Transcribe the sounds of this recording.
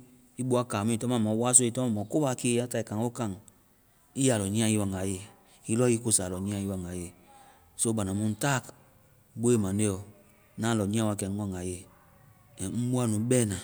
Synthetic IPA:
i˦bu˦a˦ka˨mĩ˦˨tɔ˦mã˦˨mɔ˨˦wa˦so˦i˧tɔ˦a˦˨mɔ˨ko˦ba˧˦ke˦a˦ta˨i˨kã˨ŋ˦o˦ka˦˨ŋ | i˦ja˨lɔ˨ɲĩ˦ã˦i˦wa˨ŋa˨je˨ | i˦lɔ˦i˦ko˦sa˨lɔ˨ɲĩ˦ã˧˦i˦wa˨ŋa˨je˨ | so˦ba˨na˨mũ˦n̩˦ta˦˨k | bo˦e˦˨mã˨ne˦ɔ˨˦ | nã˦lɔ˨ɲĩ˦ã˦wa˨˧˨kɛ˨ŋ̩˦ɔ˦˨ŋa˨je˦˨ | m̩˦bu˦a˦˨nũ˨˦bɛ˦˨nã˨

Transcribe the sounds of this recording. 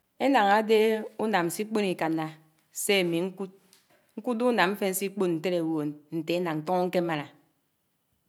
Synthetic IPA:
e˦na˨ŋa˨˦de˦u˦na˨mn̩˨si˦k͡pe˦ni˨ka˨na˨ | se˦a˨mi˨ŋ̚˦ | ŋ̩˦ku˦du˦na˨mm̩˦fe˦n̩˦si˦k͡po˦t̚n̩˨te˦ɾe˨wo˨n̩˨te˨e˦na˨n̩˨tɔ˦ŋ˦ŋ̩˦ke˦ma˨ɾa˨

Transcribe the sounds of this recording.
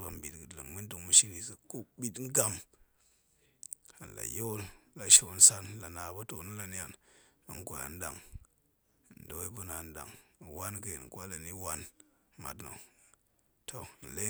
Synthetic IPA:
ba˨m˨bi˨tɡɨ˨dlə̰˨ŋmi˦n˦tu˨ŋmu˨ʃi˦ɾi˦sə˨ku˦bi˦tŋ˦ɡa˨m | a˨n̩˨la̰˨jo˦lla˨ʃo˦˨˦n̩˦sa˦n˨la˨na˨ba˦to˨nu˦la˨ni˦ja˨na̰˨ŋ˦kʷo˨a̰˨n˦da̰˨ŋ˨ | n̩˨do˨˦we˦pu˦na˨n˦da̰˨ŋ˨wa˦nkə̰˨n˨ka˦la˨ni˦wa˦nma̰˨tno̰˨ | tʰo˨n̩˨le˦

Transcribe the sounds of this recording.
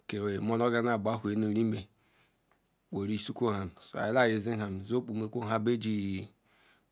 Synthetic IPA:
ke˨e˨mo˦lo˦ɡa˦na˦˨ba˦˨ɦʷe˨no˨ɾi˦me˨ | k͡po˨ɾi˦su˦kʷo˦ha˨m˨so˨a̰˨˦la˦˨je˨zi˦ɦa˨m˨zo˦k͡pu˨me˨kʷo˦˨a˦be˦d͡ʒi˦˨

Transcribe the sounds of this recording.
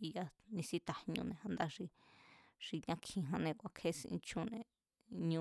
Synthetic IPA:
i˧ja˦nĩ˧si˦t̪a˧hɲũ˧nẽ˧˨hã˧nd̪a˧ʐi˧ | ʐ̥i˧ɲã˧kʰĩ˧ɦã˧nẽ˧kʷa˨kʰe˦sĩ˧ḭ̃˧t͡ʃũ˦nẽ˧ | ɲũ˧

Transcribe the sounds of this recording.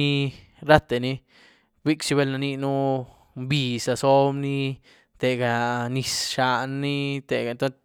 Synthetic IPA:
i˦ | ɾa˦t̪e˨ni˦ | bi˦kt͡ʃi˧βe˦lna˧ni˦nu˦ | mbi˧sa˧so˦bni˦ | t̪e˨ɡa˨ni˧sʃa˧nːi˦t̪e˨ɡa˧nt̪o˦

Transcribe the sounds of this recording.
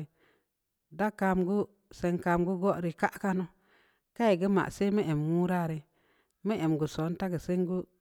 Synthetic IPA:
da˦ka˧mɡu˦ | se˨ŋka˨mɡu˦ɡo˦ʔɾi˨ka˦ʔka˦no˦ | ka˦e˨ɡə˦ma̰˨ʔse˦mi˦e˨mwu˦ɾa˦˨ɾi˨ | mə˦ʔe˨mɡu˨so˨˦n˦ta˦ɡə˨se˦ŋ˦ɡu˦

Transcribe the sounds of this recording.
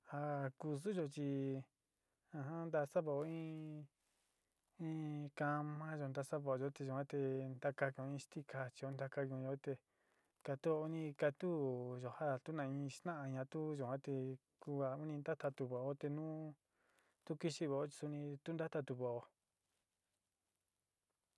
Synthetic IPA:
a˧ku˧s̬u˦ʒo˧t͡ʃi˧ | ã˧ɦã˦nd̪a˧sa˦βo˧o˧ĩ˦ | ĩ˦ka˧mã˦ʒo˧nd̪a˧sa˦βo˧˨o˧o˧˦t̪e˧ʒo˨hã˦t̪e˧nd̪a˧ka˧kũ˧ĩ˦ʃt̪i˦kʰa˧t͡ʃi˧o˧˦nd̪a˧ka˧kũ˧˨˧o˧˦t̪e˧ | ka˧t̪u˦o˧u˧nĩ˧ka˧t̪u˦˨ʒo˨ha˦˨t̪u˦nã˧ĩ˧t̪ã˦ã˧ɲã˧t̪u˦ʒo˨ã˦t̪e˧ | ku˧a˧u˦nĩ˧nd̪a˦t̪a˧t̪u˧˨βo˨o˦t̪e˧nũː˦ | t̪u˦ki˦˧ʃi˧βo˨o˦t͡ʃi̥˧su˧nĩ˧t̪u˦nd̪a˦t̪a˧t̪u˧βo˨o˧

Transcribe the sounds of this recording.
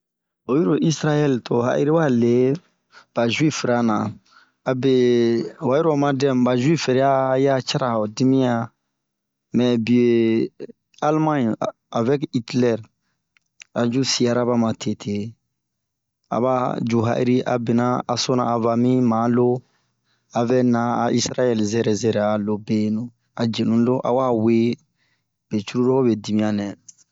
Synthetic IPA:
o˨ji˦ɾo˨ʔi˦sɾa˦jɛ˦ltʰo˨ɦa̰˦ʔḭ˦ɾi˦wa˦le˨ | b̥a˨ʒwi˦fɾa˦nã˨ | a˨bɛ˦wa˨ji˦ɾo˨ma˦dɛ̃˦mba˨ʒwi˦fɛ˨ɾɛ˦a˦ja˦t͡ʃa˦ɾa˨o˨di˦mĩ˦ja˦ | mɛ̃˨bi˨e˨ | a˦lmã˦ɲ | a˨vɛ˦ki˦tlɛ˦ɾ | a˨d͡ʒu˦si˨a˨ɾa˦ba˦mã˨tʰe˨tʰe˨ | a̰˨ba˦d͡ʒu˨ɦa̰˦˨ḭ˦ɾi˦ʔa̰˨bɛ˨na˦a˨so˦nã˨a˨va˨mĩ˦mã˨˦lo˦ | a˨vɛ˦nã˨a˨i˦sɾa˦jɛ˦lzɛ˨ɾɛ˨zɛ˨ɾɛ˨a˨lo˨be˦nũ˨ | a˨d͡ʒe˨nũ˦lo˦ʔa̰˨wa˦we˦ | b̥e˨t͡ʃu˦ɾu˦ɾɔ˦o˦bɛ˨di˨mĩ˦ja˨nɛ̃˨

